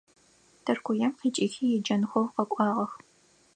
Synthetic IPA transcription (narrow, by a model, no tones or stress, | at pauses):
tʰɐrkʷʊjɐmqiːt͡ʃʼiːxiːjɛd͡ʒɐnxʷɔwqɐkʷʼɑːʁɐx